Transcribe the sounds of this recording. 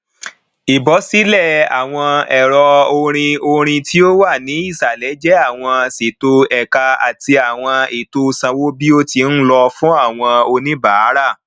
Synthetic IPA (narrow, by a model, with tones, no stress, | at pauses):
i˨bɔ˨˦si˨˦lɛ˦˨a̰˨w̃ɔ̃˧ɛ˨ɾɔ˧o˧ɾ̃ĩ˧o˧ɾ̃ĩ˧tʰi˦o˦wa˦˨nĩ˨˦i˦˨sa˨lɛ˨˦d͡ʒɛ˦a˦˨w̃ɔ̃˧si˨to˧ɛ˨ka˧a̰˨ti˧a˨w̃ɔ̃˧i˨to˧˦˧sã˧wo˦bi˦o˦ti˧n̩˦lɔ˧fũ˦a˦˨w̃ɔ̃˧o˧nĩ˦ba˨˦ɾa˦˨